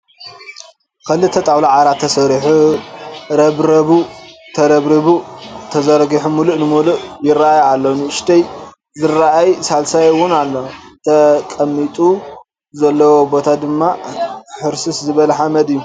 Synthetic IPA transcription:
kʰɐlɨt̪ʰɐt̪ʼawlaʕaɾat̪ʰːɐsɐɾiħu | ɾɐβɾɐβut̪ʰɐɾɐβɾiβut̪ʰɐzɐɾɡiħumuluʔnɨmuluʔjɪraʔajalːonɨɨʃt̪ʰɐj | zɨraʔajsalsajɨwʊnalːot̪ʰɐkʼɐmːit̪ʼu | zɐlːɐwo̞bo̞t̪ʰad̪ɨmːaħɨɾsɨszɨβɐlɐħamɐd̪ɨjːu

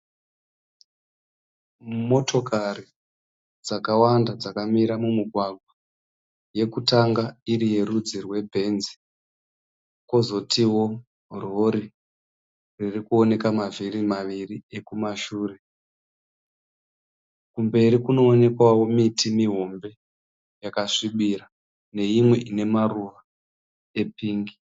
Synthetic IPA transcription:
mo̞to̞kari | d͡zakawandad͡zakamiɾamumiɡʱwaɡʱwa | je̞kutaŋɡaiɾije̞ɾud͡zirwe̞bʱe̞nzi̥ | ko̞zo̞tiwo̞ | ro̞ɾi | ririkuo̞ne̞kamavirimaʋirie̞kumaʃuːre̞ | kumbe̞ɾikuno̞ːne̞kwawo̞mitimiɦo̞mbe̞ | jakaʂiɓiɾa | ne̞imwe̞ʔine̞maruʋa | e̞piːŋɡi

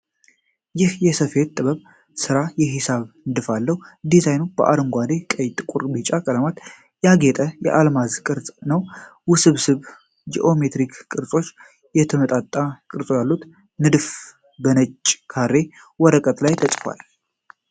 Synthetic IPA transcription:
jɪhjɛsəfe̞t̪ʼːɨβəβ | sɨɾajɛɦɪsaβnɨd̪ɨfalːəhud̪izajnubəʔa̰ɾɨŋɡʷad̪e̞kʼəjt̪ʼɨkʼuɾbit͡ʃʼakʼələmat̪ | jaɡet̪ʼəjɛ̰ʔalmazkʼɨɾt͡sʼnəwwʊsɨβsɨβ | d͡ʒḭʔo̞me̞t̪ɾikʰkʼɨɾsʼo̞t͡ʃː | jɛt̪ʰəmət̪ʼat̪ʼːakʼɨɾt͡sʼojalːut̪ | nɨd̪ɨf | bənət͡ʃʼːkʰaɾːe̞ | wɔɾəkʼət̪lajt̪ʰəsʼfwa̰l

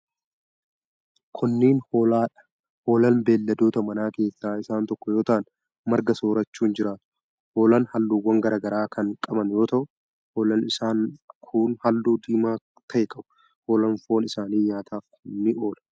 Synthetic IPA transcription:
kʰʊnːiːnhoːlaːᶑɐ̥ | ho̞ːlɐnbe̞ːlːɐd̪oːt̪ɐmɐnaːke̞ːsaːɪsaːnt̪ɔkːɔjo̞ːt̪ɐʔɐn | mɐɾɡɐso̞ːɾɐt͡ʃːuːnd͡ʒɪɾaːt̪ʊ̥ | ho̞ːlɐnhɐlːuːwːɐŋɡɐɾaːɡɐɾaːkʰɐŋkʼɐbɐnjo̞ːt̪ɐʔʊ | hoːlɐnɪsaːnkʰuːnhɐlːuːd̪iːmaː | t̪ʰɐjɪkʼɐbʊ̥ | ho̞ːlɐnfo̞ːnɪsaːniːɲaːt̪ʰaːkʰʊnːɪʔo̞ːlɐ

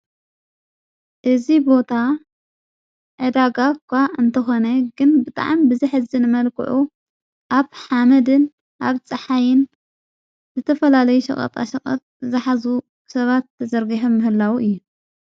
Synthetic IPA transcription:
ʔɨzibo̞t̪ʰa | ʕɨd̪aɡakʰʷːaɨnt̪ʰɐxo̞nɐɡɨnbɨt̪ʼa̰ʕambɨziħɨzɨnɨmɐlkʰɨ̰ʕu | ʔaβħamɐd̪ɨn | ʔaβt͡sʼɨħajɪn | zɨt̪ʰɐfɐlalɐjuʃɐ̰χʼɐ̰t̪ʼa̰ʃɐkʼɐ̰t̪ʼzɨħazu | sɐβat̪ːɐzɐɾɡiħomːɨhɨlːawuʔɨjːu

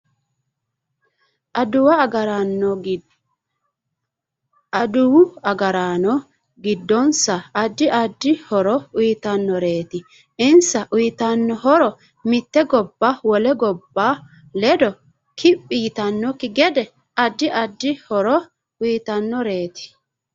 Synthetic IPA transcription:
ɐd̪ʊwɐɡɐɾnːɔ | ɐd̪ʊwʊɐɡɐɾaːnɔ | ɡɪd̪ːɔnsɐːd̪ːɪʔɐd̪ːɪhɔɾɔʊjt̪ɐnːɔɾe̞ːt̪ɪ | ɪnsɐʔʊjɪt̪ɐnːɔhɔɾɔ | mɪt̪ːɛɡɔbːawɔlɛɡɔbːaː | lɛd̪ɔ | kʰɪpʼːiːt̪ɐnːɔkɪɡɛd̪ɛ | ɐd̪ːɪʔɐd̪ːɪhɔɾɔ | ʊjt̪ɐnːɔɾe̞ːt̪ɪ̥

